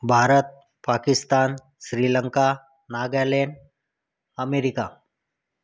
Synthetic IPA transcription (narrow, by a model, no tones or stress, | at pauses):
bʱaɾət̪̚ | pakɪst̪aːn | ɕɾiːləŋka | naɡɛleɳɖ | əmeɾika